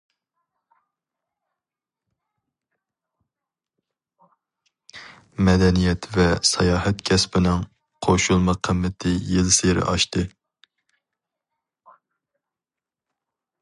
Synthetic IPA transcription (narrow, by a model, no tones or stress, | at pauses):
mɛd̪ɛnijɛt̪vɛsɑjɑːɦɛt̪kʲʰɛspɪnɪŋ | qʰoʃulˠmɑqʰəmːɪt̪ʰɪjɪlseɾɪ̰ʔɑʃt̪ɨ